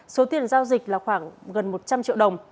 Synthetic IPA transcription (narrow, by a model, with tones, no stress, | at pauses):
so˨˦t̪i˨˩ənzaː˧wzï˨˩k̚laː˨˩xwaː˧˩ŋɣə˨˩nmo˨˩t̚t͡ɕa˧mt͡ɕḭ˧˨wɗə˨˩wŋ͡m